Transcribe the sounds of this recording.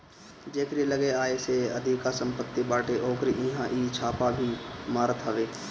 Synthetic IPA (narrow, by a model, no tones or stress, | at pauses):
d͡ʒeːkɾieləɡeaːeseɐd̪ʱikasə̃mpət̪ːibaːʈeʔoːkɾiʔɪɦãʔiːt͡ʃʰaːpabʱimaːɾt̪ɐʋeː